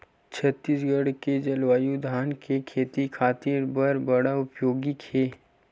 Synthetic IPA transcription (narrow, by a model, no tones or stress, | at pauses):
t͡ʃʰɐt̪ːiːsɡəɽked͡ʒɐlwaːjud̪ʱaːnkʰekʰeːt̪ikʰaːt̪iɾbəɾbɐɽaʊpjoːɡikʰeː